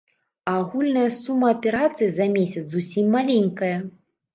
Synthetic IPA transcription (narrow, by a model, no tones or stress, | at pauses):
ɐːɣulʲnɐjɐsumːɐːpʲɛɾat̪sɨjizɐmʲesʲɐt̪susʲimːalʲenʲkɐjɐ